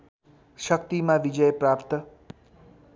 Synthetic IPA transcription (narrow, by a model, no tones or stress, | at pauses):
ʃʌk̚t̪imãʋid͡ʒʌjpɾapt̪ʌ